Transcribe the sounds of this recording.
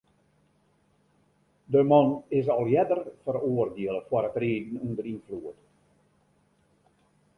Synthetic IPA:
dəmɔnɪsɔlˠjɛdərfəroːərdiəlˠəfwɔɾətreːdn̩undərinfluət

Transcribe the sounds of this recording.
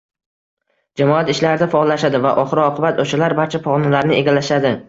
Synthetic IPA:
d͡ʒamɒat̪ɪʃlaɾɪd̪afaːlːaʃad̪ɪva̰ʔɒχɨɾɪɒqʰɨbat̪ʰoʃalaɾbaɾt͡ʃʰapʰɒʁnalaɾnɪʔe̞ɡʲalaʃad̪ɪ

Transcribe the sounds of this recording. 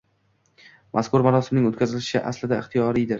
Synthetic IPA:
mʔaskʰʊɾmaɾɒsɪmnɪŋot̪kʲʰazɪlʃɪʃɪʔa̰slɪd̪aɪχt̪ʰijɒɾijd̪ɪɾ

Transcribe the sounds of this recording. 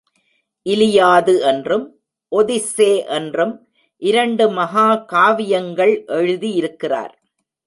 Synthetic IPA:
ʔɪlɪjaːðɯɛndrɯm | ʔɔðɪseːʔɛndrɯm | ʔɪɾɐɳɖɯmɐɦaːkaːʋɪjɐŋɡɐɭʔɛɻɯðijɪɾɯkːɪra̰ːɾ

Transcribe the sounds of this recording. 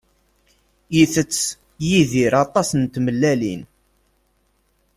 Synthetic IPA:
jiθət͡sː | jiðiɾɑt̪ˤɑsənt̪məlːælḭn

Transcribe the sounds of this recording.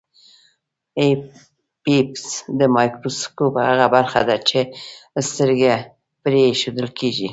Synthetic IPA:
e | pipsd̪əmɑjkɾoskopha̰ɣabaɾxa̰d̪at͡ʃest̪əɾɡe | pɾeʃod̪əlkeʒḭ

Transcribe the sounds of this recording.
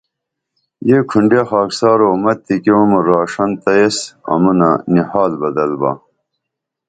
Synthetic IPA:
jeːkʰuɳɖjexaːksaːɾoːmɐt̪ːikeumuɾaːʂɐnt̪ɐjesɐ̰munɐnihaːlbɐd̪ɐlbɐ̰

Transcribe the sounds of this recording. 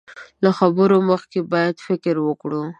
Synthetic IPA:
laxabəɾoməxkebɑjad̪fɪkɾwəkɽu

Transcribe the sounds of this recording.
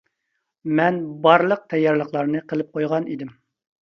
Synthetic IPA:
mɛnbɑɾlˠəq̚t̪ʰɛjːɑɾlˠəχlˠɑɾnɨqʰəlˠɨp̚qʰojʁɑnid̪ɪm

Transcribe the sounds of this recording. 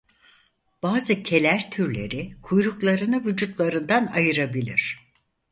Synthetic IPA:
b̥aːzɯcʰe̞lʲæɾt̪ʰyɾlʲe̞̰ɾikʰujɾuklˠaɾɯnɯvud͡ʒut̪lˠaɾɯnd̪anajɯɾabilʲḭɾ̥

